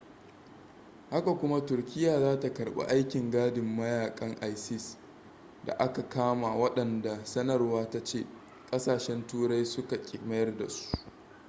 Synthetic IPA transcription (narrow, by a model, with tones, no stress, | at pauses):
ha˦ka˨kʷʊ˦ma˦tʊ˨rkʲɪ˦jaː˨zaː˦ta˨kɐ˨rɓa̰˦ʔa˦jkʲɪ˨ŋɡaː˦dɪ˨mːɐ˦jaː˨kʼɐ˦ŋʔa˦jsɪ˦s | da̰˨ʔa˦ka˨kaː˦ma˨wɐ˦ɗɐ˨nda˨sɐ˦nɐ˨rwaː˦ta˦t͡ʃeː˦˨ | kʼɐ˦saː˨ʃɛ˦ntuː˦ɽa˦jsʊ˦ka˨kʲʼɪ˨mɐ˦jɐ˦rda̰˨su̥˦ʔ